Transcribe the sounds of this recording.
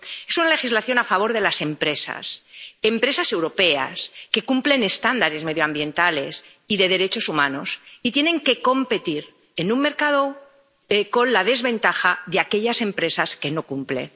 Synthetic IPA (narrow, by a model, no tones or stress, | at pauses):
e̞sunale̞xizlaθjo̞nafaβo̞ɾðe̞lase̞mpɾe̞sa̰se̞mpɾe̞sase̞wɾo̞pe̞a̰ske̞kumple̞ne̞st̪and̪aɾe̞zme̞ðjoambje̞nt̪ale̞s | iðe̞ðe̞ɾe̞t͡ʃo̞sumãno̞sit̪je̞nẽ̞ŋke̞ko̞mpe̞t̪iɾ | e̞nũŋme̞ɾkað̞o̞ | eko̞nlaðe̞zβe̞nt̪axaðeake̞ʎase̞mpɾe̞saske̞no̞kumple̞̰